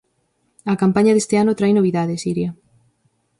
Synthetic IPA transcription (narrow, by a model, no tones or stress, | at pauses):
ɐkampaɲɐðest̪eanʊt̪ɾajnoβ̞iðaðɪsiɾjɐ